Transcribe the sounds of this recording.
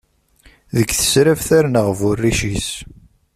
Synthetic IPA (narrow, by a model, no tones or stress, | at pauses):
ðəɡθə̥sɾævθæɾnəʁvʊrːiʃis